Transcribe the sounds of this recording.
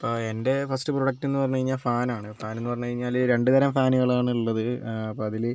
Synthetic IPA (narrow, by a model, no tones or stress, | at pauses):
ɐpoːende̞fɐsʈɨproɽɐk̚ʈːenːɨpɐrɐɲːukɐɻiɲːaːlfaːnaːɳɨfaːne̞nːɨpɐrɐɲːukɐɻiɲːaːlɾe̞ɳɖɨt̪ɐɾɐmfaːnuɣɐɭaːɳɨiɭːɐðɨɐpːoːɐðil